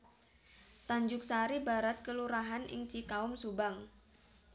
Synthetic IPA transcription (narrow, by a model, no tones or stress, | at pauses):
t̪aɲd͡ʒʊk̚saɾibaɾat̪̚kəluɾaɦanɪ̰ŋt͡ʃikaʊmsubaŋ